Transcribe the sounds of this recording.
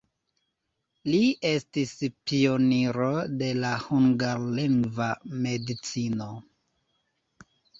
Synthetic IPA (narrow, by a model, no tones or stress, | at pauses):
liʔe̞stispio̞niɾo̞de̞lahuŋɡaɾliŋɡvame̞dit͡sino̞